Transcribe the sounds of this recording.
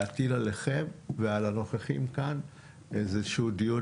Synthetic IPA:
atilaleχemvealano̞χeχḭmkan | ezeʃudiu

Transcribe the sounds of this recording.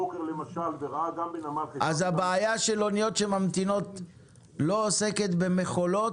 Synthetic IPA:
okeʁlemaʃalveʁaaɡambenamalχeʔazhabaːjaʃelo̞nijo̞t̪ʃemamt̪ino̞t̪ | lo̞ose̞ke̞t̪be̞me̞χo̞lo̞t

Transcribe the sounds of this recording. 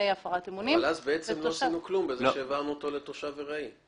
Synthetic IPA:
ejafaʁat̪emunivalazbeet͡semlosinuklumbezeʃeːvaʁnuot̪o̞le̞t̪oʃaveʁai

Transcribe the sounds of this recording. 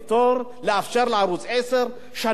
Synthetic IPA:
t̪oɾlɪaft͡ʃaɾˤlʕaɾuːzesɨɾ | ʃa

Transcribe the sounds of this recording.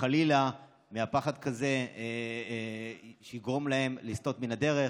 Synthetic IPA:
alila | meapaχad̪kaze̞ | ʃeiɡʁo̞mlae̞mlist̪o̞t̪minad̪e̞ʁe

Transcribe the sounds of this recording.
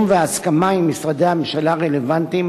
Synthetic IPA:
mveaskamaimːisʁad̪eamemʃalaʁelevant̪im

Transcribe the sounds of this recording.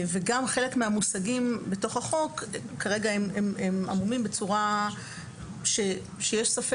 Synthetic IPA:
veɡamχe̞lekmeamusaɡimbe̞to̞χaχo̞kː | aʁeɡaemememʔa̰mumimbe̞t͡suʁa | ʃe | ʃejeʃsafe

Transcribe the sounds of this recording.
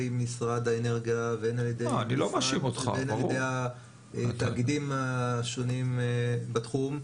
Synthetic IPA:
jmisʁad̪aeneʁɡjaveenaljed̪ejanilomaʃimot̪χa̰enajedeja | t̪aɡidimaʃonimbatχum

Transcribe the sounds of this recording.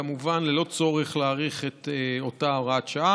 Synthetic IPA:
amuvanlelo̞t͡so̞ʁeχlaːʁiχet̪eo̞taoʁatʃaa

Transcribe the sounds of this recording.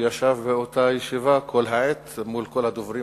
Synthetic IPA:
jaʃavbeot̪ajeʃivakʰolɦaʕet̪mulkolhad̪ovɾi

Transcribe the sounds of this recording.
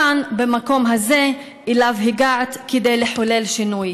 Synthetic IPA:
anbemako̞mɦaze̞ | ʔilavɦiɡaʕt̪ked̪ejleħole̞lʃinuj

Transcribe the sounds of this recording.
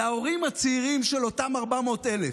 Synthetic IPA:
ao̞ʁimat͡seiʁimʃelo̞tamaʁbamo̞ːtele

